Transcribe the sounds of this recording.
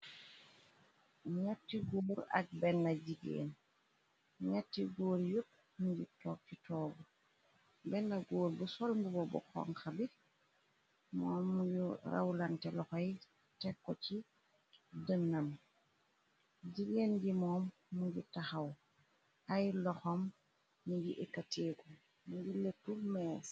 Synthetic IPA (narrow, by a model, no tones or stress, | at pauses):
ɲatːiɡuːɾa̰k̚bɛndaɟiɡḛːn | ɲatːiɡoːɾjuk̚ | muɟitɔːk̚citʰɔːɡu | bɛndaɡoːɾbusolmbuɡɔbɔ̰kɔ̰ŋxabi | mɔːmːuɟuɾa̰wlantɛlɔxoj | tɛkːɔci | dənːam | ɟiɡenɡimɔːmː | uɟitaxaw | ajlɔxomː | uɟiʔekːateːku | muɟiletːumes